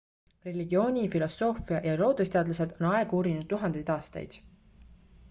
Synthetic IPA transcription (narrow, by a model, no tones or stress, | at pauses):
re̞lʲiɡio̞ːnʲifilo̞so̞ːfiɑjɑɾo̞ːd̪est̪eɑːd̪lɑse̞d̪̥o̞nɑe̞ɡ̥uːɾinud̪̚t̪ːuɦɑnd̪̥ejd̪ɑːst̪ɑ̰jd̪̥